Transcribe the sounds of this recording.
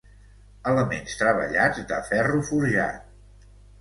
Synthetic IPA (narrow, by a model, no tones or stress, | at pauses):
ələmḛnst̪ɾəβə̰ʎad͡zd̪ə̰fɛrufuɾʒa̰t̪̚